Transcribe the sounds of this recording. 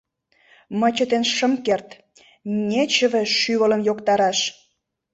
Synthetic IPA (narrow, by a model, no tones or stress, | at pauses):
mət͡ɕət̪enʃə̆mkert̪ | nʲet͡ɕə̆βeʃyβələ̆mjokt̪ɑɾɑʃ